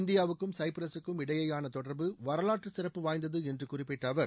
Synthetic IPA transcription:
nd̪ɪjaːʋɯkːɯmsɐɪpɪɾɐsɯkːɯmɪɽɐjɐjaːnɐt̪ɔɽɐɾbɯʋɐɾɐlaːʈrɯsɪrɐpːɯʋaːj̪d̪ɐðɯɛndrɯkʊrɪpːɪʈːɐʋɐɾ

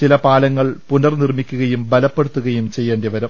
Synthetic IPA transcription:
t͡ɕilɐpaːlɐŋːɐɭpunɐrnirmikʲːuɣɐjumbɐlɐpːeɽut̪ːuɣɐjumt͡ɕe̞jːeːɳɖdeʋɐɾɐm

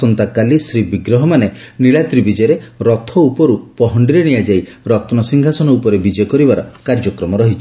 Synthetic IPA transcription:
ɔnt̪akalisɾibiɡɾɔɦɔmaneniɭat̪ɾibid͡ʒɔjɔɾeɾɔt̪ʰɔupɔɾupɔɦɔɳɖiɾeɽ̃ijad͡ʒaiɾɔt̪ɔnɔsiŋɡʱasɔnɔupɔɾebid͡ʒɔjɔkɔɾibaɾɔkaɾd͡ʒɔkɾɔmɔɾɔɦit͡ʃʰi

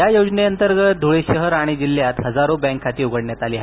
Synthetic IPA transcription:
jajod͡zneənt̪əɾɡət̪̚d̪ʱuɭeɕəɦəɾaɽ̃id͡ʑilːjat̪ɦəd͡zaɾobɛ̃ŋkʰːat̪iːuɡəɽɳjat̪aliːɦ

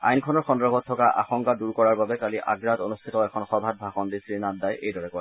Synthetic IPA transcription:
a̰jnkʰɔnɔɹxɔndɹɔbʱɔtʰːɔkaʔa̰xɔŋkaduɹkɔɹaɹbabɛkaliʔa̰ɡɹatonustʰitɔɛkʰɔnxɔbʱat̚bʱaxɔndisɹinandajʔejdɔɹɛkɔj

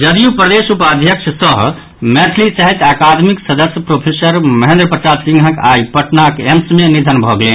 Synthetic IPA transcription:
d͡ʒəd̪ijupɾəd̪esupad̪ʱjəkʃʰəsəɦ | meʈ̪ʰlit͡ʃaɦit̪akad̪miksəd̪əsjəpɾopʰesəɾməɦẽnd̪ɾəpɾəsad̪sĩŋɡʱəkajpəʈnakemsmenid̪ʱənbʱɔɡele

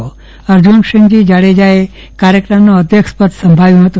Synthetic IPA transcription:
o | əɾd͡ʒunʃəŋd͡ʒid͡ʒaɭed͡ʒae | kaɾjəkɾəmnoəd̪ʱjəkʂpət̪səmbʱaʋjũɦət̪ũ

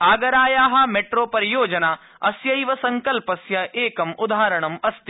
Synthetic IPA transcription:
aːɡɐɾaːjaːɦɐ̆meʈɾoːpɐɾijoːd͡ʒɐnaː | ɐsjɐjʋɐsɐŋkɐlpɐsjɐʔeːkɐmud̪ʱaːɾɐɳɐmɐst̪i

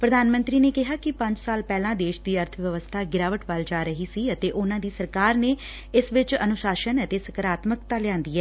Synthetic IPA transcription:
pɾəd̪aːnmə̃nt̪ɾiːneːkɪɦaːkɪpə̃ɲd͡ʒsaːlpɛːlãːd̪eːʃd̪iːəɾt̪ʰəʋjəʋəst̪ʰaːɡɪɾaːʋəʈʋald͡ʒaːɾəɦiːsiːət̪eːʔʊnãːd̪iːsəɾkaːɾneː | ɪsʋɪt͡ʃə̰nʊʃaːʃənət̪eːsəkəɾaːt̪məkt̪aːlɪjãːnd̪iːɛː

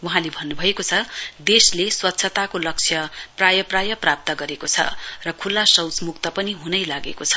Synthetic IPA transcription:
wuɦãlebʱʌnːubʱʌekot͡sʰʌd̪esleswʌt̪ːsʰʌt̪akolʌk̚t͡sʰjʌprajʌprajʌprap̚t̪ʌɡʌɾekot͡sʰʌ̰rʌkʰulːasʌwt͡smuk̚t̪ʌpʌniɦunʌjlaɡḛkot͡sʰʌ̥

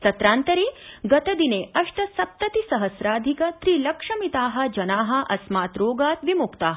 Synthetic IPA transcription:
t̪ɐt̪ɾaːnt̪ɐɾiːɡɐt̪ɐd̪ineːɐʂʈ̪ɐsɐp̚t̪ɐt̪isɐɦɐsɾaːd̪ʱikɐt̪ɾiːlɐkʂɐmit̪aːɦɐ̆d͡ʒɐnaːɦɐ̆ʔɐsmaːt̪ɾoːɡaːt̪ʋimukt̪aːɦ

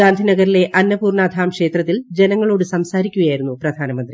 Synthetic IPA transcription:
aːnd̪ʱinɐɣɐɾile̞ʔɐnːɐpuːrɳaːd̪ʱaːmkʂe̞ːt̪rɐt̪̬ːild͡ʑe̞nɐŋːɐɭo̞ːɽɨsɐmsaːɾikʲːuɣɐjaːjiɾunːuprɐd̪ʱaːnɐmɐnd̪ri

